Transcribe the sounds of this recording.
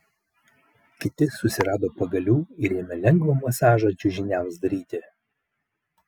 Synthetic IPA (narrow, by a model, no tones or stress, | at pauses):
kʲɪt̪ʲɪsʊsʲɪɾɑːd̪oːpɐɡɐlʲuːɪɾʲemʲɛlʲɛŋɡʋomɐsɑːʒɑd͡ʒʲʊʒʲɪnʲæˑʊsd̪ɐɾʲiːt̪ʲɪ